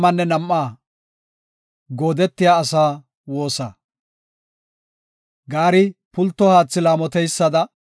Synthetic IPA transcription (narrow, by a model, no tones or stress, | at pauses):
mɐnːɛnɐmːaː | ɡo̞ːd̪ɛt̪ːɪjaːsaː | wo̞ːsɐ̰ | ɡaːɾɪpʊlt̪ːɔhaːt͡sːɪlaːmɔt̪ɛjsːɐd̪ɐ